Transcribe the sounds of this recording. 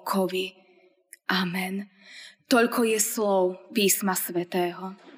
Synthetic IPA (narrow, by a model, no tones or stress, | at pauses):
kʰɔʋi | ʔamɛn | t̪ɔʎkʰɔjɛslɔʊpiːsmasʋɛt̪ɛːɦɔ